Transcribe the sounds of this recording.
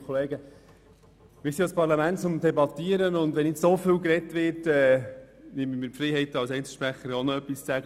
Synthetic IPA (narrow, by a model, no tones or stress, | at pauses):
kʰɔleːɡə | mɪsidɔspɑɾlɑmæntt͡sʊmdɛbɑt̪iːəɾənʊndʋɛnːɪtsofɪlkɾɛtʋɪtɛː | nɪmənmɪːɾpfɾɛɪɦɛɪtɑlsɛɪnt͡sl̩ʃpɾæχəɾɔnɔœpːist͡sæɡə